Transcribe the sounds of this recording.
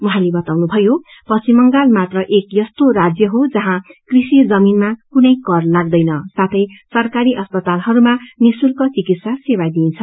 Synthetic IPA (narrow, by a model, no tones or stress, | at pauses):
muɦalebʌt̪awnubʱʌjo | pʌst͡simʌŋɡalmat̪rʌʔekjʌst̪orad͡zjʌɦod͡zʌɦãkrisid͡zʌminmakunʌjkʌrlaɡ̚d̪ʌjnʌsat̪ʰʌjsʌrkaɾiʔʌspʌt̪alɦʌɾumamisulkot͡sikit̪sasewad̪int͡sʰʌ